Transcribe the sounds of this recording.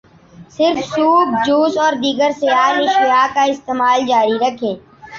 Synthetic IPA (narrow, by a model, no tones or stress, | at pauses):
sɪɾfsuːb̚d͡ʒuːsɔːɾd̪iːɡəɾsejaːnɪʃijaːkaɪst̪eːmaːld͡ʒaːɾiɾəkʰẽː